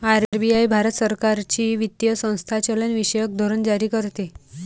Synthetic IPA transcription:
aɾɾbiajbʱaɾət̪səɾkaɾt͡ɕiːʋit̪jəsə̃w̃st̪ʰat͡ɕələnʋiɕəjək̚d̪ʱoɾənd͡ʑaɾiːkəɾt̪e

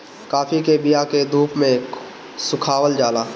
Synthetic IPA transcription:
kaːfikebɪjaked̪ʱuːpmẽ | sʊkʰaːwəld͡ʒaːlaː

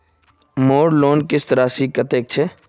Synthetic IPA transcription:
moːɾloːnkɪst̪əɾaːsiːkət̪eːk̚t͡ʃʰe

